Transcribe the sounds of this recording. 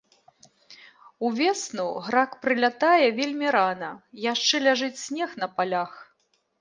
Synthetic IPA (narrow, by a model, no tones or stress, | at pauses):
uvʲɛsnuɣɾakpɾɨlʲat̪ajɛvʲelʲmʲiɾanɐjaʂt͡ʂɛlʲaʐɨt͡sʲsʲnʲɛxnɐpalʲax